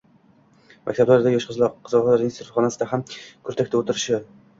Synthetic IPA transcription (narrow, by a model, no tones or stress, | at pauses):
mʔa̰k̚ʲt̪ablaɾd̪ajɒʃqɨzlˠɒqqʰːɨzɑllaɾɪnsɪɾχɒnasɪd̪ahamkʰɵɾt̪ʰakʲt̪ʰaot̪ɪɾɪʃɪ